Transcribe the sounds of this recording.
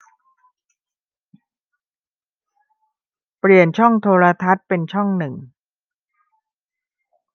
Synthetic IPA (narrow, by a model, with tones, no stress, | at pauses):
pɾi˨˩ənt͡ɕʰɔ˥˩ŋt̪ʰoː˧ɾa˧t̪ʰa˦˥t̪̚pe˧nt͡ɕʰɔ˥˩ŋnɯ˨˩ŋ